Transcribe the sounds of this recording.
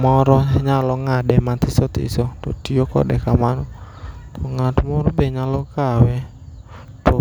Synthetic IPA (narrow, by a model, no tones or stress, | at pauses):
mɔɾɔɲalɔŋadɛmat̪ɪsot̪ɪ̰sot̪o̰tiokɔ̰dɛkamanɔ | t̪ɔŋatmɔɾbeɲalɔkawɛ | to